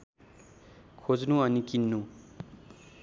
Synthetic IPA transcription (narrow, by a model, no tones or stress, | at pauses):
kʰod͡znuʌnikinːu